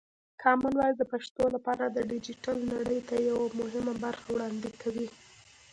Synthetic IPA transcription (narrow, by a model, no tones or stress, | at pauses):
kʰɑmɪnwɑjd̪əpaʂt̪olapɑɾad̪əɖɪd͡ʒɪʈalnaɽəjt̪ajawamʊɦɪmabaɾxawɽɑnd̪ɪkʰːawi